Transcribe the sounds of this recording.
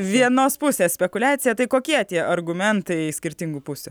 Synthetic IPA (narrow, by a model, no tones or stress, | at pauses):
ʋʲiɛnoːspʊsʲeːssʲpʲɛkʊlʲæːt̪sʲɪjɛt̪ɐɪkoːkʲiɛt̪ʲiɛʔɐɾɡʊmʲɛnt̪ɐɪsʲkʲɪɾʲt̪ʲɪŋɡʊpʊsʲʊ